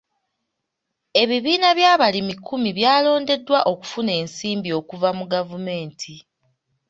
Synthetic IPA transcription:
e̞βiβiːnaβjaːβalimikʰːumiβjaːlo̞ːnde̞dːwaʔo̞ku̥fune̞ːnsiːmbio̞ːkuvamuɡavume̞ːntʰi

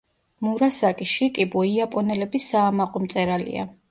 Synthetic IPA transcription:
muɾasakʼiʃikʼibɔiapʼɔnɛlɛbisaːmaqʼɔmt̪sʼɛɾalḭa̰

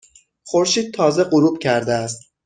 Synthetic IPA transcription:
χo̞ɾʃiːd̪̚t̪ʰɒːze̞ɢoɾuːb̚cʰæɾd̪eæst̪

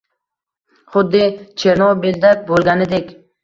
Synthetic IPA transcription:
χʊd̪ːɪt͡ʃʰeɾnɒwbeld̪ak̚ʲbolˠɡʲanɪd̪ekʲ

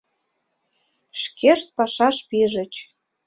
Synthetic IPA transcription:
ʃkʰeʃt̪̚pɑʃɑʃpiʒə̆t͡ɕ

